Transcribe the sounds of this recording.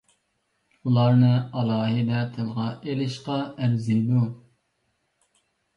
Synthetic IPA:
ulˠɑɾnɨɑlˠɑːɦid̪ɛt̪ʰɪlˠʁɑʔelɪʃqɑæɾzid̪u

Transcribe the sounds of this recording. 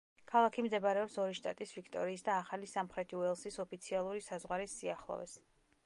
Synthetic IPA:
kʰalˠakʰimd̪ɛbaɾɛɔpsɔɾiʃt̪ʼa̰t̪ʼisvikʰt̪ʼɔ̰ɾiːsd̪aːχalisamχɾɛt̪ʰiuɛlˠsisɔpʰit̪sʰialˠuɾisazʁwaɾisːiaχlˠɔ̰vɛ̰s

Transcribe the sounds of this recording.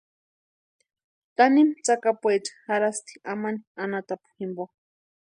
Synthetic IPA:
t̪animt͡sakapʷwet͡ʃḁxaɾast̪ʰi̥amanianat̪apu̥himbo

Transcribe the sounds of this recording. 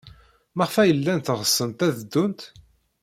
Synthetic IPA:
məʁfæjəlːænt̪ʁəsːənt̪æðəd̪ːunt̪

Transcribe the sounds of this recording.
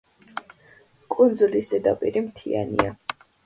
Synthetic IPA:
kʼund̪zulisɛd̪apʼiɾimt̪ʰia̰nia

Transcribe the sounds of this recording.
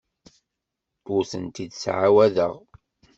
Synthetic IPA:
ʊɾθənt̪id̪sʕawæðəʁ

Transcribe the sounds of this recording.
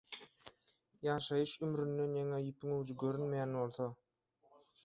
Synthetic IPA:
jɑːʃɑjɯʃymɾynd̪e̞njeŋejipʰiŋøwd͡ʒyɡø̞ɾynmejænβo̞lˠθo

